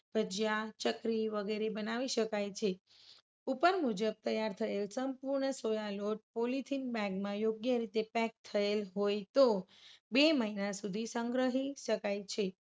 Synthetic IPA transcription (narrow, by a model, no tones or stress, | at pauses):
bʱəd͡ʒjat͡ʃəkɾiʋəɡeɾebənaʋiʃəkajt͡ʃʰe | upəɾmud͡ʒəb̚t̪əjaɾt̪ʰəelsəmpuɾɳəsojaloʈ̚polit̪ʰinbɛ̃ɡmãjoɡjəɾit̪epɛk̚t̪ʰəelɦojt̪obeməɦinasud̪ʱisəŋɡɾəɦiʃəkajt͡ʃʰe